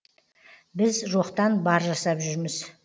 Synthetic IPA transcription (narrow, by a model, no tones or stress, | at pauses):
bɪzʒuoqt̪ɑnbɑɾʒɑsɑpʒʏɾmɪz